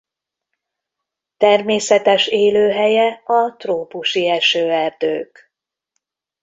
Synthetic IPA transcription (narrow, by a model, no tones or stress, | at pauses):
t̪ɛrmeːsɛt̪ɛʃeːløːɦɛjɛɒt̪roːpuʃiɛʃøːɛrd̪øːk